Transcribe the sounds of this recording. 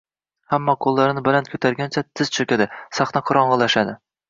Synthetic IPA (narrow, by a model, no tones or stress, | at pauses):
hamːɒqʰolˠːaɾɪnɪbalankʰʲɵt̪ʰaɾɡʲant͡ʃʰat̪ʰɪz̥t͡ʃʰɵkʲad̪ɪsaχnaqʰʊɾɒɴʁɨlˠaʃad̪ɪ